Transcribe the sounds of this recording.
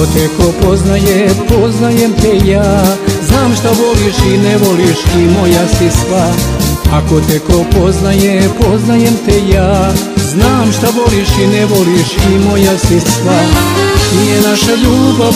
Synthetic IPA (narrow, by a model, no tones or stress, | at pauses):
ot̪eko̞po̞znajepo̞znajemt̪ejaːznaːmʃt̪aʋo̞liʃineʋo̞liʃimo̞jasisʋaako̞t̪eko̞po̞znajepo̞znajemt̪ejaː | znaːmʃt̪aʋo̞liʃineʋo̞liʃimo̞jasisʋanijenaʃaʎuːba